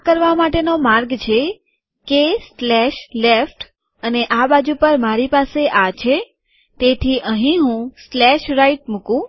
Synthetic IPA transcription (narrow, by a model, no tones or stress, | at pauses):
kəɾʋamaʈenomaɾɡt͡ʃʰe | keslɛʃlefʈ | əneʔabad͡ʒupəɾmaɾipaseʔat͡ʃʰe | t̪et̪ʰiʔəɦĩɦũslɛʃɾaiʈmukũ